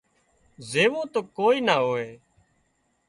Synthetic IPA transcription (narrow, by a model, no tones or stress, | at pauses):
zeːʋõːt̪oːkoːiːnaːɦoːeː